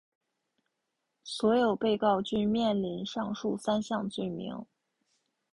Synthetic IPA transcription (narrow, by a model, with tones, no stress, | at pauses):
swɔ˧˥jo˨˩ʊpe˥˧ɪkɑ˥˧ʊt͡ɕy˥˧mjɛ˥˩nli˧˥nʂɑ˥˧ŋʂu˥˩sa˥nɕjɑ˥˧ŋt͡swe˥˩ɪmḭ˧˥ŋ